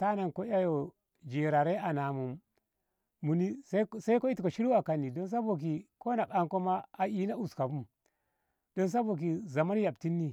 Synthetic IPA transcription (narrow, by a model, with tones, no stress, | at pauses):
ta˦na˨nko˦a˦jo˨ | d͡ʒi˨ɾa˨ɾe˦a˨na˨mu˨mː | u˨ni˦ssa˦i˦ko˦i˦ti˨ko˨ʃi˦ɾu˦a˨ka˨nːi˨do˦ns̬a˦bo˨k̬i˨ko˦na˨ka˦ŋko˦ma˦a˨ʔi˦na˦u˨ska˨bu˦m | do˦ns̬a˦bo˨k̬i˨za˨ma˦n˦ja˨b̚ti˦nːi˦